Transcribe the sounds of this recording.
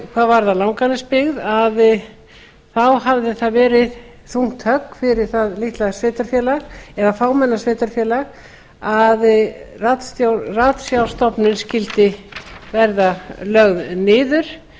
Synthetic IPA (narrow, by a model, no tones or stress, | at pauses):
kʰvaːðvaɾðalawŋkanɪspɪɣðað | θawɦavðɪθaðvɛːɾɪð | θuŋ̥t̪hœkːfɪɾɪɾ̥θaðliht̪lasveːt̪aɾ̥fjɛːlaɣɛðafaːwmɛnːasveːt̪aɾ̥fjɛːlaɣ | aðrat̪st̪raːt̪sjawlst̪ɔpnʏnscɪlt̪ɪvɛɾðalœɣðnɪːðʏɾ̥